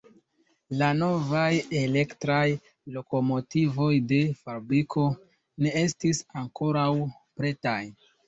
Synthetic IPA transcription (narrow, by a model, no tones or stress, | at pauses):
lano̞vaje̞le̞ktɾaj | lo̞ko̞mo̞tivo̞jde̞faɾbɾikʰo̞ | ne̞e̞stisaŋko̞ɾaw | pɾe̞taj